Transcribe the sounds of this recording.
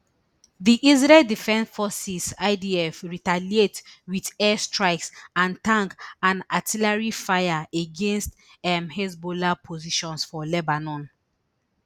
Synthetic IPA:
ðiʔizɹɛldifɛ̃nsfɔsisaɪdiɛfɹitalietwiðɛstɹaɪksãntãŋkãnatʰilaɹifajaeɡẽnst | ɛmhɛzbolapʰoziʃɔ̃nsfɔlɛbanɔ̃n

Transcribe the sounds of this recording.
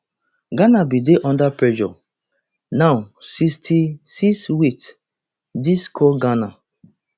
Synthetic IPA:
ɡanabideʔɔ̃ndapɹɛd͡ʒɔ̰ | nawsistʰisiswits | diskʰɔɡana

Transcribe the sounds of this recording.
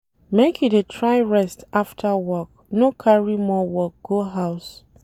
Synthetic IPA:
mekʰidetʰɹaɪɹɛstaftʰawɔk̚ | nokʰaɹimɔwɔk̚ɡ̥oɦaʊs

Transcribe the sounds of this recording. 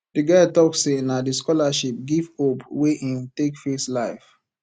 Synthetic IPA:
d̥iɡatɔksenadiskɔlaʃip̚ɡivhopweʔĩntekfeslaɪf

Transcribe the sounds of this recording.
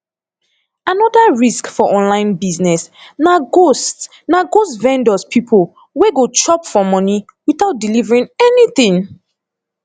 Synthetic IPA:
anɔdaɹiskfɔʔɔ̃nlãɪ̃nbiznɛsnaost | naɡostvɛ̃ndɔspʰipʰol | weɡot͡ʃɔpfɔmɔni | wiθaʊt̚dilivəɹĩŋɛniθĩŋ

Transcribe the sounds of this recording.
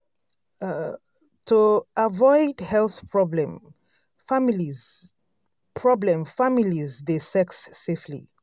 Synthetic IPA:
tʰuavɔɪdhɛlθpʰɹɔblɛ̃m | famli | pʰɹɔblɛ̃mfamilizdesɛksːeflḭ

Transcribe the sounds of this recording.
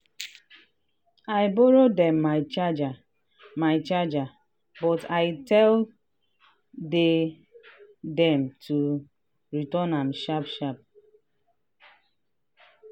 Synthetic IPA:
aɪbɔɾodɛ̃mːaɪt͡ʃad͡ʒa | maɪt͡ʃad͡ʒa | bɔtaɪtɛl | de | dɛmtʰu | ɹitɔnãmʃapʃap̚

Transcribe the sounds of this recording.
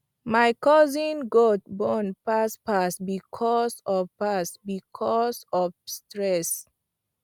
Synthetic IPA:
majkɔzĩnɡɔt̚bɔnpaspasbikʰɔsɔvpasbikʰɔsɔfstɾɛs

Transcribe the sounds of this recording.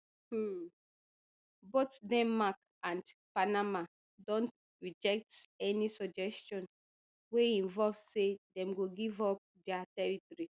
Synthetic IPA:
botdɛ̃mːak | ãndpanama | dɔ̃nt | ɹid͡ʒɛk̚tɛnisɔd͡ʒɛstɔ̃n | weĩnvɔlvsedɛ̃mɡoɡivɔp̚dɛatɛɹitɔɹi

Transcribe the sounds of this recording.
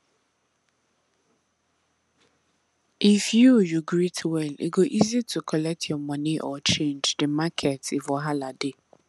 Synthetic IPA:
ʔifjujuɡɾitʰwɛlḭɡoʔizitʰukʰɔlɛk̚tʰjɔmɔniʔɔt͡ʃẽnd͡ʒdɪmakʰetifɔɦalade

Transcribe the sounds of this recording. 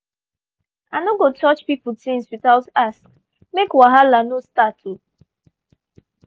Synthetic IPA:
anoɡotɔt͡ʃpipʊtĩnswiθaʊtaskk | mekwaɦalanostatʰu

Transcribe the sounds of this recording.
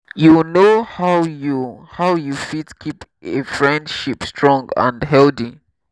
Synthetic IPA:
junohawjuhawjufitkʰip | efɹɛ̃ndʃipstʰɹɔ̃ŋɡə̰̃ndɦɛlθi

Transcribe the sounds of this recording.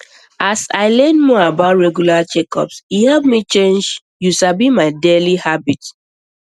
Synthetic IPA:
asaɪlɛnmɔabaʊtɹɛɡjulat͡ʃɛkɔ̰psihavmit͡ʃẽnd͡ʒ | juʃabimaɪdelihabit

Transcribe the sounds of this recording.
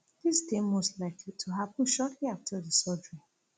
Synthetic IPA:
ð̥isdẽmmːostlaɪklitʰuɦapɔ̃n̩ʃɔtʰliaftʰədəsɔdɹĩ

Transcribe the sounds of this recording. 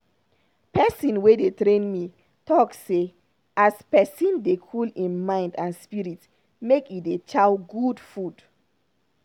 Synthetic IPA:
pɛsĩnwedetɾẽnmi | tɔkse | aspɛsĩndekʰulĩnmãɪ̃ndãnspiɹit | mekjidet͡ʃawɡudfud̥

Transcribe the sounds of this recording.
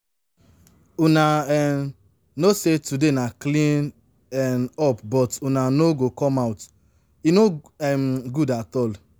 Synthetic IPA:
unaɛ | nosetudenaklĩn | ɛnɔpbɔtunanoɡokɔmawt | ino | ɛmɡudatɔl

